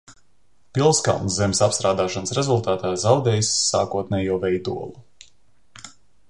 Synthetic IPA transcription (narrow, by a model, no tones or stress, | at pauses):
pilˠska̰lˠnzzemʲsapst̪ɾaːd̪aːʃansɾezulˠt̪aːt̪aːzawd̪ɛːjsːa̰ːkuɔt̪̚nʲɛːjuɔvɛjd̪ṵɔlˠu